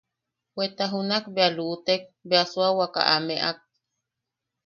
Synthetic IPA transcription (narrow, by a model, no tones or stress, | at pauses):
wet̪aɦunakbealuʔt̪ek̚beasuawaka̰ʔameʔak̚